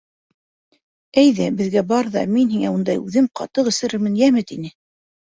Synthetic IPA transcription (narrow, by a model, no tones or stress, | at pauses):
æjðæbɘ̆ðɡæbɑɾðɑ̰minhiŋæund̪ɑjʉðɘmqɑt̪ɤqɘ̆sɘ̆ɾɘɾmɘnjæmɘt̪inɘ